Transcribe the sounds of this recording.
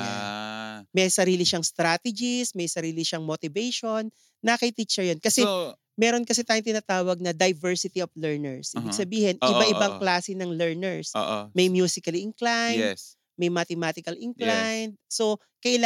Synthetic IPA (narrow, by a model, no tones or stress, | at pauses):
a | mɛjsɐɾiːlɪʃɐŋst̪ɾaːt̪ɛd͡ʒɪsmɐjsɐɾiːlɪʃɐŋmot̪ɪvɛjʃo̞nː | akɐjt̪it͡ʃɛɹjonkɐsɛ | mɛːɾo̞nkɐsɛt̪aːjʊŋt̪̬ɪnat̪aːwɐɡ̚nɐd̪ɐjvɛɹsɪt̪ioflɛɹnɛɹsʔiːbɪɡsɐbiːhɪnʔʔɪbaʔɪbaŋklaːsɪnɐŋlɛɹnɛɹso̰mɐjmjuːsɪkɐlɪŋklaj | mɐjmɐt̪ɛmaːt̪ɪkɐlʔɪŋklajnd̪̚so | kɐʔɪla